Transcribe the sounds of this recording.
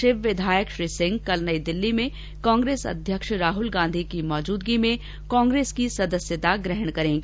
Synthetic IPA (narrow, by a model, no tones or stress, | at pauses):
ʃɪʋʋɪd̪ʱaːjəkʃɾisɪ̃ŋɡ̚kɐlnəid̪ɪlːimẽ | kãːŋɡɾeːsɐ̰d̪ʱjəkʃɾaːɦʊlɡãːnd̪ʱikimɔːd͡ʒuːd̪ɡimẽ | kɔ̃ːŋɡɾeːskisɐd̪əsjət̪aɡɾɛɦəɽ̃kɐɾẽːŋɡi